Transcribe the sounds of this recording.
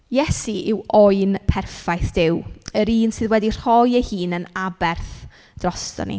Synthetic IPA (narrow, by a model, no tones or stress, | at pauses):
jɛsiʔɪwɔɨnpʰɛrfajθd̥ɪwəɾiːnsɨðwɛdir̥hɔjəhiːnənabɛrθ | d̥rɔstɔ̰nḭ